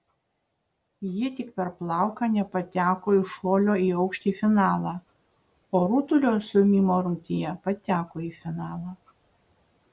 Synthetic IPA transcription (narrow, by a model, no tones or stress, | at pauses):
jiɛt̪ʲɪkpʲɛɾplˠɑˑʊkɑːnʲɛpɐt̪ʲæːkoːɪʃoːlʲoːiːɒʊkʃʲt̪ʲiːfʲɪnɑːlˠɑː | oːɾuːt̪ʊlʲoːsʲʊmʲiːmoːɾʊŋʲt̪ʲɪjɛpɐt̪ʲæːkoːiːfʲɪnɑːlˠɑː